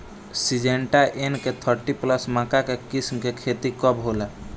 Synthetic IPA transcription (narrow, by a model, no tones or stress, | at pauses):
sid͡ʒeɳʈaʔenket̪ʰəɾʈipləsmãːkakekismkekʰet̪ikəbɦoːla